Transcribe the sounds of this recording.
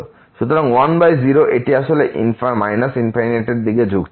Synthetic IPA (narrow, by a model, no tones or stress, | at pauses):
ʃut̪oɾaŋwanbajziɾoʔeʈiaʃoleʔinfmajnasinpʰajneʈeɖd̪iɡed͡ʑʱuɡ